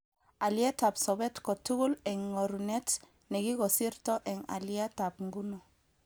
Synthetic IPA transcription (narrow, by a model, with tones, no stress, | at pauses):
a˨ljɛ˦ta˨psɔ˨bɛ˦tkɔ˨tu˦ɣu˦lɛ˨ŋːɔ˨ɾunɛ˦t | nɛ˨ɡi˦kɔ˨si˦ɾtɔ˦ʔɛ˨ŋa̰˨lia˦ta˨p̚ŋɡu˦nɔ˨